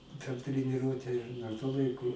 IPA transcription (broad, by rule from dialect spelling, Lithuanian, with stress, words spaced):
pʲɛr tʲrʲɛnʲɪˈruɔtʲɛ dɐr tuɔ ˈlˠɐɪkʊ